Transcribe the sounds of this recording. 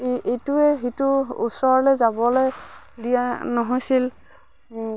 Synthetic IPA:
etuɛxituṵsɔɹɔlojzabɔloj | dijanɔɦojsil

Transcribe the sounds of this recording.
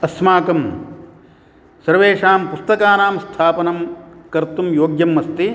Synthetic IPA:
ɐsmaːkɐm | sɐɾʋeːʂaːmpust̪ɐkaːnaːmst̪ʰaːpɐnɐmkɐɾt̪umjoːɡjɐmːɐst̪i

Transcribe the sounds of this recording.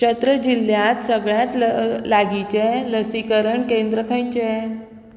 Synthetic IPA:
t͡ɕət̪ɾəd͡ʑil̤ːjat̪səɡɭjãt̪laɡit͡ɕeləsikəɾəɳkẽnd̪ɾəkʰə̃jt͡ɕe

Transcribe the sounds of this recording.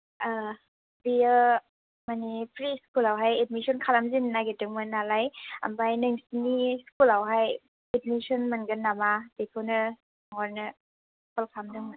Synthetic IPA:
a | bijə | manipʰɾiskulawɦajet̚misɔnkʰalamzinnaɡetɯŋmɯnalaja̰mbajnɯŋsiniskulawɦaj | et̚misɔnmɯnɡɯnːamab̥etʰɔnɯ | ŋɔɾnɯ | kʰɔlkʰamdɯŋɯ

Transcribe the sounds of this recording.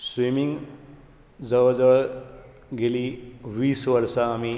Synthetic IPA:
sʋimiŋ | d͡zəʋd͡zə | ɡeliʋiːsʋəɾsaːmi

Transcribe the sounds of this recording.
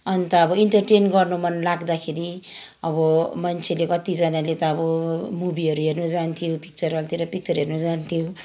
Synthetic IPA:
ʌnt̪ʌːbʌiɳʈʌrʈenɡʌrnomʌnlaɡd̪akʰeɾi | ʌbʌmʌnt͡sʰelekʌt̪id͡zʌnalet̪ʌːbʌmubiʌɾuɦernʌd͡zant̪ʰijopik̚t͡sʌrʌlt̪iɾʌpik̚t͡sʌrɦernod͡zant̪ʰijo

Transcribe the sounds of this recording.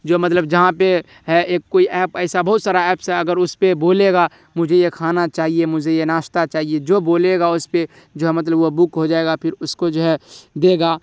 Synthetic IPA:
d͡ʒoːmɐt̪ləbd͡ʒɐɦãpe | ɦɛeːkːoːiʔɛːpɛːsabɐɦʊt̪saːɾaɛːpsɦɛɐɡəɾʊspeboːleɡa | mʊd͡ʒʱejekʰaːnat͡ʃaːɦiemʊd͡ʒʱejenaːʃt̪at͡ʃaːɦied͡ʒoːboːleɡaʊspe | d͡ʒoɦɛmɐt̪̬ləbʋobʊkɦod͡ʒaːeɡapʰɪɾʊskod͡ʒoɦɛd̪eːɡaː

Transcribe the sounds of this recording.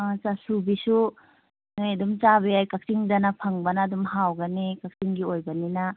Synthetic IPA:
asasubisu | nojɐdumt͡ʃaβeajkak̚siŋdɐnɐpʰɐŋbɐnɐːdumɦawɡɐnikak̚siŋɡiojbɐninɐ

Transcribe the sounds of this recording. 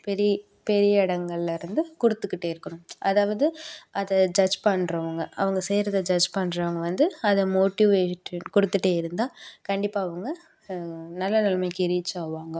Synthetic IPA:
pɛɾɪjɐ | pɛɾɪjɐɪɽɐŋɡɐɭlɐɪɾɯnd̪ɯkʊɽɯt̪ːɯkːɪʈːeːɪɾɯkːɐɳʊ̃ʔɐðaːʋɐðɯɐðɐd͡ʒɐd͡ʒpɐɳɾɐʋɐŋɡɐʔɐ̰ʋɐŋɡɐsɛjɾɐðɐd͡ʒɐd͡ʒpɐɳːɾɐʋɐŋɡɐʋɐnd̪ɯɐðɐmoːʈiʋeːɐnkʊɽɯt̪ːɯʈːeːɪɾɯnd̪ãːkɐɳɖɪpːaːɐʋɐŋɡɐ | nɐlːɐnɪlɐmɐɪkːɪɾɪt͡ʃːaːʋaːŋɡɐ

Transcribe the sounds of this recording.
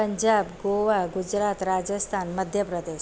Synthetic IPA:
əɲd͡ʑabɡoʋaɡud͡ʑɾat̪ɾad͡zəst̪ʰanməd̪ʱjəpɾəd̪e

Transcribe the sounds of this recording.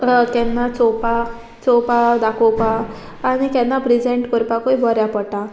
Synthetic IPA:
kɛnːat͡sɔpa | t͡sɔpad̪akɔpaː | ñikɛnːapɾid͡ʑeɳʈkɔɾpakoibʱɔɾjapəʈa

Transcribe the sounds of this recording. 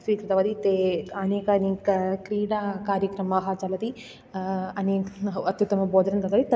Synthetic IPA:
sʋiːkɾɐt̪ɐʋɐd̪it̪eɐneːkɐnikɐkɾiːɽaːkaːɾjɐkɾɐmaːɦɐt͡ʃɐlɐt̪i | ɐniɐt̪jut̪ːɐmɐbɔːd̪ɐɾɐnt̪ɐt̪ʋɐd̪it̪

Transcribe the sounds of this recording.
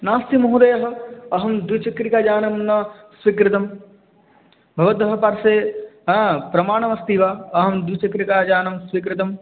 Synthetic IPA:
naːst̪imɐɦud̪ɐjɐɦɐɐɦɐmd̪wit͡ʃɐkɾikaːd͡ʒaːnɐmnɐ | sʋikɾɪt̪ɐm | bʱɐʋɐt̪ɐɦɐpɐɾseːɐpɾɐmaːɳɐʋɐst̪iʋaːɐɦɐmd̪wit͡ʃɐkɾikaːd͡ʒaːnɐmsʋik̬ɾɪt̪̬ɐm

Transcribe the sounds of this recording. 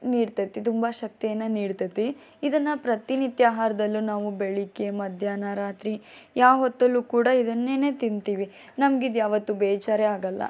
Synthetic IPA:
niːɽt̪ɐt̪ːit̪umbɐʃɐk̚t̪ijɐnːɐniːɽt̪ɐt̪ːi | id̪ɐnːɐpɾɐt̪init̪jaɦaːɾɐd̪ɐlːunaːʋubeɭikemɐd̪ʱjaːnaɾaːt̪ɾi | jaːɦɔt̪ːɐlːuːkuːɽɐid̪ɐnːe̞ːne̞ːt̪int̪iːʋi | nɐmɡid̪jaːʋɐt̪ːubɛːt͡ʃaːɾeaːɡɐlːɐ̰

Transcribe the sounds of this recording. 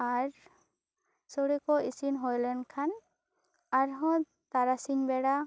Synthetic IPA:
aɾ | sɔɽikɔisinɦɔjlɛnkʰan | aɾɦɔ̃ | t̪aɾasiɲbɛɽa

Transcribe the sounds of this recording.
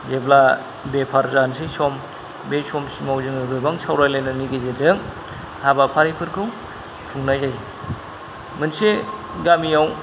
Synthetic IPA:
zebla | bepʰaɾzansisɔm | bejsɔmsimawzɯŋɯɡɯbaŋsʰawɾajlajnɯniɡɯzezɯŋ | habapʰaɾipʰɯɾkʰɯw | pʰuŋnajzaj | mɯnse | ɡamiaw

